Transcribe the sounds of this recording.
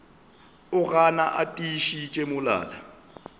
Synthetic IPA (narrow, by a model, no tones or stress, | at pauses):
ʊɣana̰ʔatʼiʃit͡ʃʼemʊla̰ːla